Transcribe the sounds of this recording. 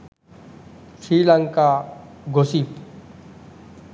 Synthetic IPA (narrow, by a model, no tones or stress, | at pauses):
sɾiːlaŋkaːɡʱosiːp